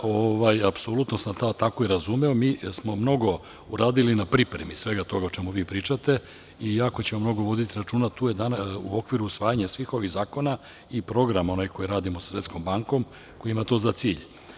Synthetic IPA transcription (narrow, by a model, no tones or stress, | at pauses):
oʋajapso̞lut̪no̞samt̪aːt̪akoiɾazumeo̞miːsmo̞mno̞ɡo̞ | uɾaːd̪ilinapɾipɾemisʋe̞ɡat̪o̞ɡaot͡ʃe̞muʋiːpɾiːt͡ʃat̪e̞ | ijako̞t͡ɕe̞mo̞mno̞ɡo̞ʋo̞d̪it̪iɾat͡ʃuːnat̪uːjed̪anaṵo̞kʋiɾuːsʋaːjaɲasʋiːxo̞ʋiɣzaːko̞na | ipɾo̞ɡɾamo̞najko̞jiɾaːd̪imosḁsʋe̞t̪sko̞mbaŋko̞m | ko̞jiimat̪o̞ːzat̪siːʎ